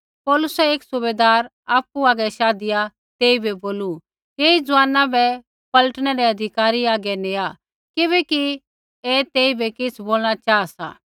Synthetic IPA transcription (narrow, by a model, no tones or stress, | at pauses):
pɔːlʊsɛeːksʊbeːd̪aːɾ | aːpuaːɡɛʃaːd̪ɪja | t̪eːibɛboːlu | eːid͡zʊaːnãbɛ | pɐləʈɽ̃ɛɾɛɐd̪ʱɪkaːɾiaːɡɛnea | kɪβɛki | eːt̪eːibɛkɪsʰboːlɽ̃at͡ʃaːasa̰ː